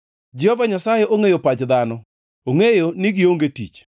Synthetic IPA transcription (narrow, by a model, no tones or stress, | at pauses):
d͡ʒɪhovaɲasajeʔoŋejopad͡ʒd̪anɔ | oŋejonɪɡɪoŋɡetḭt͡ʃ